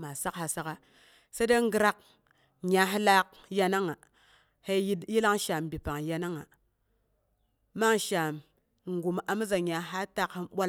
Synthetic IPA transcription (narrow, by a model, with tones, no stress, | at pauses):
ma˨sa˦kha˨sa˦ka˦ | se˦da˦ŋ˦ɡɨ˦ɾa˦k̚ | ɲa˨ɦi˦la˦k̚ | ja˦na˦ŋa˨ | he˦ji˦dji˦la˦ŋʃa˨m˨bi˨pa˨ŋja˦na˦ŋa˨ | ma˦ŋʃa˨m | ŋ˨ɡu˨m˨ʔa˨m˦za˨ɲa˨ɦa˦ta˦ki˦mɓʷa˦